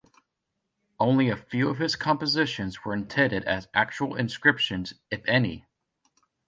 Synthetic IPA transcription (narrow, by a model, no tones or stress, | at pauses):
ʔõʊ̃nliɨfjʉʌv̥ɨz̥kʰɑ̃mpəzɪʃɨ̃nzwə˞ɨ̃ntʰɛ̃dɨɾɨ̰zʔæ̰k̚t͡ʃul̩ˠɨ̰̃nskɹ̥ɪpʃɨ̃nzɨfɛnḭ